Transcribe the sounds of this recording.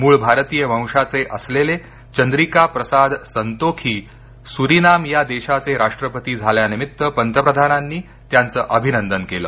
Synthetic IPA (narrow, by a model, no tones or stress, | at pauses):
muːɭbʱaɾt̪iːjəmə̃w̃ʂat͡seʔəslele | t͡ɕənd̪ɾikapɾəsad̪sənt̪okʰiː | suɾinamjad̪eɕat͡seɾaʂʈɾəpət̪iːd͡zʱaljanimit̪ːəpənt̪əpɾəd̪ʱananːiː | t̪jant͡səːʔəbʱinənd̪ənkelə̰ː